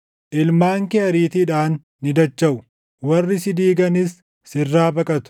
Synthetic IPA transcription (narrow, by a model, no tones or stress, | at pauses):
ʔɪlmaːŋkɛɐɾiːt̪iᶑaːnː | ɪd̪ɐt͡ʃːɐʔʊ | wɐrːɪsɪd̪iːɡɐnɪsː | ɪrːaːbɐkʼɐt̪ʊ̥